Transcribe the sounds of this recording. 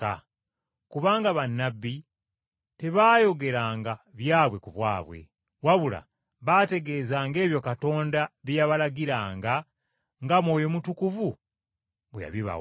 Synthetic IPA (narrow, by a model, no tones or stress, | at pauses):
a | kuβaːŋɡaβanːabːi | te̞βaːjo̞ɡe̞ɾaːŋɡaβjaːβwe̞kuβwa̰ːβwe̞̰ | waβula̰ | βate̞ɡe̞zaːŋɡe̞ːβjo̞kato̞ːndaβijaβalaɡiɾaːŋɡa | ŋɡamwo̞ːjo̞mutukuvu | βweja̰βiβa̰